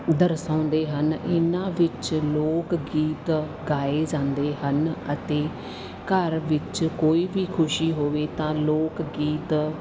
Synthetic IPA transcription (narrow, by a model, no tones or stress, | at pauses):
d̪əɾsãːnd̪eːɦənɪnãːʋɪt͡ʃloːkɡiːt̪ | ɡaːeːd͡ʒãːnd̪eːhənət̪eː | kəɾʋɪt͡ʃkoːiːʋiːkʰʊʃiːɦoːʋeːt̪ãːloːkɡiːt̪